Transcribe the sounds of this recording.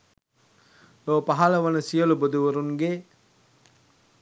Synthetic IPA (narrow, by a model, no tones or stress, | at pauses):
loːpaɦaləʋɐnəsijəlubod̪uʋəɾuŋɡe